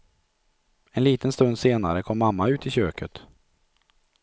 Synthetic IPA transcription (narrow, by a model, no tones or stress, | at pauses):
ɛnliːt̪ənst̪ɵnd̪seːnaɾəkʰɔmːamːaʉ̟ːt̪ɪɕøːkʰət̪